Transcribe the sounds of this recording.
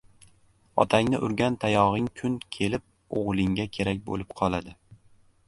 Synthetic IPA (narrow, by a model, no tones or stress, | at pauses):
ɒ̰t̪ʰaŋnɪʔʊɾɡʲant̪ʰajɒʁɪŋkʰʊnkʲʰe̞lɪp̚ | o̰ʁlˠɪŋɡʲakʲʰe̞ɾak̚ʲbo̰lɪpqʰɒlˠad̪ɪ